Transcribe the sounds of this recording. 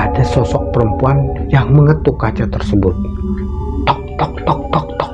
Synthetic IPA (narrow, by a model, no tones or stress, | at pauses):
adasɔsɔk̚pəɾəmpuanjaŋməŋət̪ukat͡ʃat̪ərsəbʊt̪̚ | t̪ɔk̚t̪ɔk̚t̪ɔk̚t̪ɔk̚t̪ɔ̥k̚